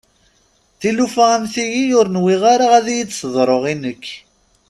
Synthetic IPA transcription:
θilufææmθiʝijʊɾnwiʁaɾaʁæðijit͡sːsðˤɾˤoʁinəkː

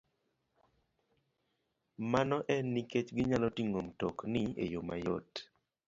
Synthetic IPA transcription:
manɔʔɛniket͡ʃɡɪɲalɔtiŋomtɔknɪḛjoma̰jo̰t

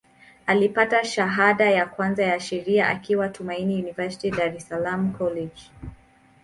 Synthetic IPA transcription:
alipataʃaɦaɗajakwanzajaʃɛɾiaʔa̰kiwatʰumainijunivasi̥tidaɾɛsalamkʰɔlɛd͡ʒ

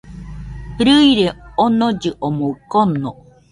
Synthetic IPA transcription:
hɯɾɯiɾeonod͡ʑɨʔomokonːo

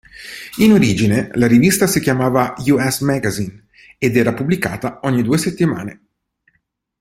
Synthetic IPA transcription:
inoɾiːd͡ʒinelaɾivist̪asikjamaːvajuɛsmɛɡazin | ed̪ɛːɾapublika̰ːt̪aɔɲːid̪uːeset̪ːima̰ːne

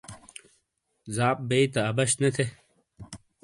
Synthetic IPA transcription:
zaːp̚beit̪ɐːbɐɕnet̪ʰe

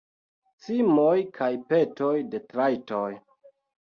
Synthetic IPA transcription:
t͡simojkʰajpe̞to̞jde̞tɾajto̞j

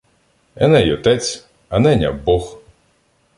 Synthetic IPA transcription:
ɛnɛjɔt̪ɛt͡sʲ | ɐnɛnʲɐ̰bɔx

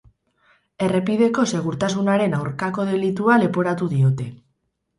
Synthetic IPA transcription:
e̞re̞pið̞e̞ko̞se̞ɣ̞uɾt̪as̬unaɾe̞nawɾkako̞ð̞e̞lit̪uale̞po̞ɾat̪uðiot̪e̞

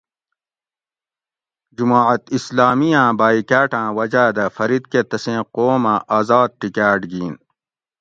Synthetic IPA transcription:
d͡ʑumaːʕɐt̪islaːmijãːbaːikaːʈãːwɐd͡ʑaːd̪ɐfɐɾid̪ket̪ɐsẽːqoːmãːʔaːzaːd̪̚ʈikaːʈɡiːn

